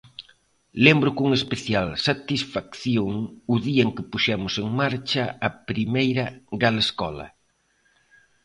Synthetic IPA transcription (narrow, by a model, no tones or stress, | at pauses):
lembɾʊkuŋespeθjalsat̪isfakθjoŋʊðiɐeŋkɪpuʃɛmʊseŋmaɾt͡ʃɐɐpɾimejɾɐɣaleskɔ̰lɐ̰